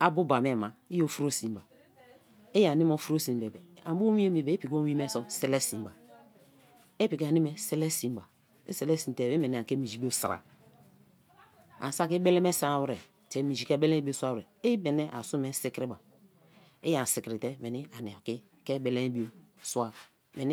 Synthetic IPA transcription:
a˨bu˦ba˨me˦˨ma˨i˦jo˦fu˦ɾo˦si˨m˦ba˨ | e˦ja˨ni˦mo˦fu˦ɾo˦si˨m˦be˨be˨a˨bu˦o˦mi˦e˦me˨be˨˦e˦pi˨ko˦i˦me˦so˨se˦le˦si˨mba˨ | e˦pi˨ka˨ni˦me˨se˦le˦si˨m˦ba˨ | ḛ˦se˨˦le˦si˨n˨te˨be˦me˨n˨a˨ke˦mi˨d͡ʒi˨˦bo˦sɾa̰˨ | a̰˨n˨sa˦ki˦be˦le˦me˦sa˦˨wɾe˨ | te˨mi˨d͡ʒi˨ke˦be˦le˦bi˦o˦sʷa˦wɾe˨i˦be˨ne˦ʔa˨su˦me˦si˦kɾi˦ba˨ | e˦ja˨n˨si˨kɾi˨te˦me˨ni˦a˨ni˨a˨ki˦ | ke˦be˦le˦n˦bi˦o˦su˦a˨ | me˨ni˦

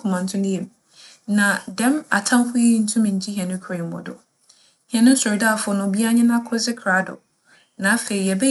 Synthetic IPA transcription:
kʰʊ̃˨mã˨n̩˦tʰʊ̃˦ndɪ˦ɛ˨m | nã˨dɛ̃˦ma˨tʰã˦mfʊ˦ji˦n̩˦tʰũ˦mɪ̃˨t͡ɕʰi˦ɦi˨ɛ̃˨nʊ̃˦kʰɾe˨m̩˨mɔ̰˨dʊ̰˨ | hɛ˨nʊ̃˦sɔ˨ɾda˦˨fʊ˦ʊ˨˦nʊ̃˨bi˦a˦ɲɪ̃˦nã˦kʰʊ˦zɪ˦kʰɾa˨˦dʊ̰˨ | nã˨˦fe˨i˨jɛ˨bɛ˦

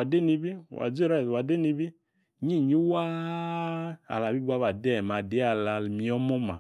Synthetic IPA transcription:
a˨de˦ni˧bi˦˨wa̰˨d͡zi˦ɾa˦˨wa˨de˦ni˧bi˦ | ɲi˦˨ɲu˦wa˦ | a̰˨la˨bi˦ɡ͡bʷa˦βa˨dɛ˦˨ma˨de˨˦a˨la˨lmi˧˦ɔ˦mɔ˦ma̰˨

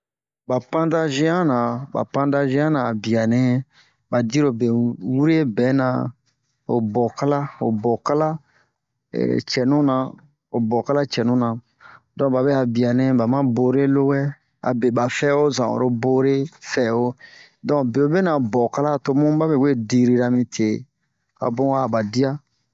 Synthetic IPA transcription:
ba˨pã˦da˦ʒɛ̃˦ã˦nã˨ba̰˨pã˦da˦ʒɛ̃˦ã˦nã˨a˨bi˨a˨nɛ̃˦ | ba˨di˦ɾo˨be˨wu˦ɾe˦bɛ˨˦nã˧ | o˨bɔ˨ka˦la˦o̰˨bɔ˨ka˦la˦ | ɛ̰˨t͡ʃɛ˨nũ˦nã˨ | o˨bɔ˨ka˦la˦t͡ʃɛ˨nũ˦nã˨ | dɔ̃˦ba˨bɛ˦a˨bi˨a˨nɛ̃˦ba˨mã˦bo˨ɾe˦lo˦wɛ˦ | a̰˨be˨ba˨fɛ˦o˦zã̰˨o̰˨ɾo˦bo˦ɾe˦fɛ˨wo˦ | dɔ̃˦be˨o˨be˦nã˨bɔ˨ka˦la˦˨to˧mũ˦ba˦be˨we˦di˧ɾi˨ɾa˨mĩ˧tʰe˨ | a̰˨bõ˦a˨ba˨di˦a˦

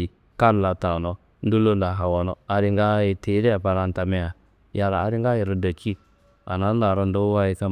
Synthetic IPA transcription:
i˨ | ka˦n˨la˨ta˨no˨ | n̩˦du˦lo˦nda˨ɦa˨wɔ˨no˨a˨ɾi˧ŋɡa˦ji˨te˨˦ɾi˦a˨pa˧ɾa˧n˦ta˨me˧ja˨ | ja˧la̰ː˨ɾi˦ŋɡa˦ji˨ɾə˦da˨ki˦ | a̰˨na˦a˨ɾə˧ndo˦wa˦ji˨sa˦

